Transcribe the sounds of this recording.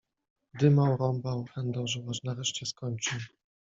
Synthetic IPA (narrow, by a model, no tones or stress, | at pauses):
d̪ɘmawɾɔmbawxɛnd̪ɔwʐɛwaʐnaɾɛʂt͡ɕɛskɔɲt͡ʂɨw